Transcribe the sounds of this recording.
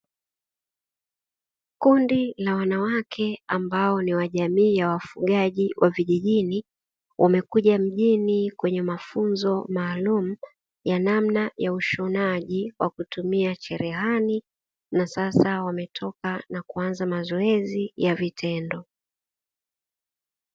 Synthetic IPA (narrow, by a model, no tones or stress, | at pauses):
kundilawanawakʰɛambaɔniwaʄamiːjawafuɠaʄiwʔaviʄiʄini | wʔamɛkuʄam̩ʄinikwɛɲɛmafunzɔmaːlum̩ | janamnajauʃɔnaʄiwʔa̰kutumiat͡ʃɛɾɛɦani | nasasawamɛtʰɔkanakuanzamazɔɛzijavitʰɛndɔ